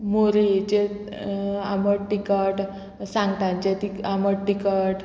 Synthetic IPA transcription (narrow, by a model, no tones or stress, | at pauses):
moɾit͡ɕe | aməɽʈikəʈ | sãŋɡt̪ãnt͡ɕet̪iaməɽʈikəʈ